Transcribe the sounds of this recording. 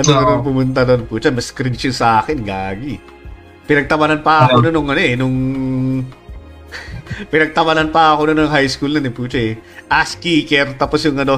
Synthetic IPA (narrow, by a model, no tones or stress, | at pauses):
ʔɐnonɐnonp̬ʊmʊnt̪̬ɐd̪onpuːt͡ʃɐmɐskɾint͡ʃʊnsɐʔaːkɛnɡaːɡi | pɪnɐɡ̚t̪ɐmɐnɐnpɐʔɐkononʊŋʔɐnoʔɛnʊŋ | pɪnɐɡ̚t̪ɐmɐnɐnpɐɐkononʊŋɦajskulnɐnɪpuːt͡ʃɐɛʔaskiːkɛɾt̪aːposjʊŋɐno̞